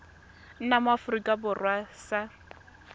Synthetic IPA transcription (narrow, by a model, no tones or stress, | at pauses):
n̩namafʊrikʼabʊrwasa